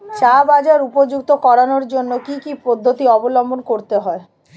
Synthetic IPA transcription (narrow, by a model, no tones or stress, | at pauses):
t͡ɕabad͡ʑaɾupod͡ʑukt̪okɔɾanoɾd͡ʑonːokikipod̪ʱːot̪iɔbolombonkoɾt̪eɦɔe